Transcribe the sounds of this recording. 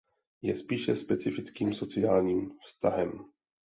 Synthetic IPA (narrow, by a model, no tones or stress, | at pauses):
jɛspiːʃɛspɛt͡sɪfɪt͡skiːmso̞t͡sɪaːlɲiːmfst̪aɦɛm